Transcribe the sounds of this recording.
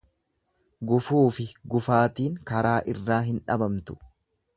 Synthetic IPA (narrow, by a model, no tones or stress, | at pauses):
ɡʊfuːfɪɡʊfaːt̪iːŋkɐɾaːʔɪrːaːɦɪnᶑɐ̰bɐmt̪ʊ̥